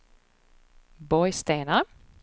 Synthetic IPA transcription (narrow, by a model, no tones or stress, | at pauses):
bɔjst̪eːna